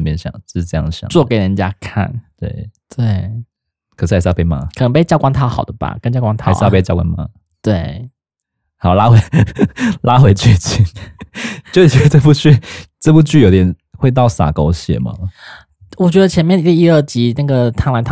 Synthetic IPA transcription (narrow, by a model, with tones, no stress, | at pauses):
mjɛ˥˧nɕjɑ̰˨˩˦ŋ̩˥ʂ̩˥˩ʈ͡ʂɤ˧jɑ̰˥˩ŋɕjɑ̰˨˩˦t͡swɔ˥˩ke˨˩ɪɻə˧˦nt͡ɕja˥kʰa̰˥˩nt̪wḛ˥˩ɪt̪we˥˩ɪ | kʰə˨˩ʂɻ̩˥˩a˧˥˩ʂ̩˥˧˥pe˥˩ɪma̰˧˥kʰə˨˩n˧˥ŋpe˥˧ɪt͡ɕjkwa˥ŋt̪ʰa˥˩ʊxɑ˨˩ʊd̪ə˦ba̰˨˩kə˥nt͡ɕjkwa˥ŋt̪ʰʂ̩˥˧pe˥˧jɑ˥˧kwa̰˧˥nma̰˧˥ | t̪we˥˩ɪ | xʊla˦˥we˧˥ɪ | la˥xwe˧˥ɪt͡ɕʰy˥˧t͡ɕʰi˥˧˩n | t͡ɕo˥ʊ˨˩ɥɛ˧˥˧ʈ͡ʂə˥˧pu˥˩t͡ɕy˥˧t͡sə˥˧pu˥t͡ɕy˥˩jo˧˥ʊt̪jɛ˨˩n | xwe˥˧ɪt̪̬ɑ˥˩ʊsa̰˨˩ko˥ʊɕjɛ̰˨˩˦mɐ̰˦ | wɔ˨˩t͡ɕɥɛ˧˥d̪ə˧t͡ɕʰjɛ˧˥nmjɛ˥˧n˥i˥˧˩i˥˩ə˥˩t͡ɕi˧˥na˥˩ɡə˩t̪ʰa˥ŋla˧˥nt̪ʰ